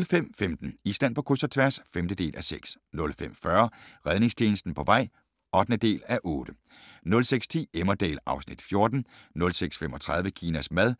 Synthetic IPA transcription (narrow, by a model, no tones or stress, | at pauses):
lfem̰femd̥n̩isd̥æn̰pʰɒ̽kʰusɐt͡sʰʋæɐsfemd̥əd̥e̝̰ːlʔæseɡ̥s | nɔ̽lfem̰fɶːɐʁɛðˠne̝ŋst͡ɕʰeːnəsd̥n̩pʰɒ̽ʋɑ̈ɪ̰ | ɒ̽d̥nəd̥e̝̰ːlæʔɔ̽ːd̥ə | nɔ̽lseɡ̥st͡sʰḭːemɐd̥ḛːlɑ̈ʊsnid̥fjo̝ɐd̥n̩nɔ̽lseɡ̥sfemɒ̽t͡sʰʁɑ̈ð̞ˠʋəkʰiːnæsmæð̞ˠ